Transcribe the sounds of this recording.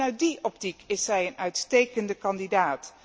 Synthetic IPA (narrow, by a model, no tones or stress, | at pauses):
œɥt̚diʔɔp̚tikɪsɦɛjənœɥtstejkəndəkɑndidaːt